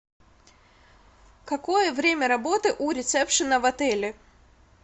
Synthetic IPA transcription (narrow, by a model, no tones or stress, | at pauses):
kɐko̞jəvɾʲemʲəɾɐbo̞t̪ɨʔuɾʲɪt̪sɛpʂɨnəvɐt̪ɛlʲɪ